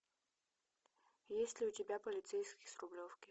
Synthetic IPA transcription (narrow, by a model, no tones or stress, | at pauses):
jesʲtʲlʲɪʊtʲɪbʲapəlʲɪt̪sɛjskʲɪjsrʊblʲofkʲɪ